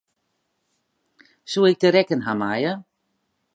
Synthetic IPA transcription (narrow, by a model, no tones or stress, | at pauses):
suɪk̚dəɾɛkənɦamajə